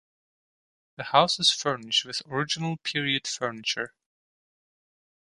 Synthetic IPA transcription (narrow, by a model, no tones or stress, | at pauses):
ðəhaʊsɨz̥fɜ˞nɪʃt̚wɨðəɹɪd͡ʒɪnəl̩ˠpʰɪɹiɨd̥fɜ˞nɨt͡ʃə˞